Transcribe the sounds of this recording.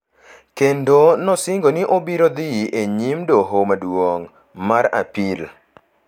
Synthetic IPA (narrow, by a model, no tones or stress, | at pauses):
kendonɔsɪŋɡoniʔobiɾod̪iʔeɲimdoɦomadwoŋ | maɾa̰pil